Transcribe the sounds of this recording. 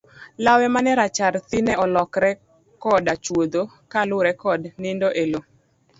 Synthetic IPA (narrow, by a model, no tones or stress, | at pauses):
lawɛmanɛɾat͡ʃaɾt̪ɪnɛɔlɔkɾɛ | kɔdat͡ʃwod̪o | kalʊɾɛkɔdnɪndoʔelo